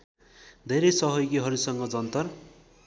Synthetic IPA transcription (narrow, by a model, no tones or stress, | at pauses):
d̪ʱeɾejsʌɦʌjɡiɦʌɾusʌŋɡʌd͡zʌnt̪ʌr